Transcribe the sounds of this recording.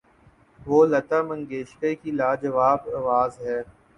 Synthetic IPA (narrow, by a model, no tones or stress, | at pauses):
ʋoːlɐt̪amə̃ŋɡeːʃkəkilaːd͡ʒəʋaːbɐʋaːzɦɛː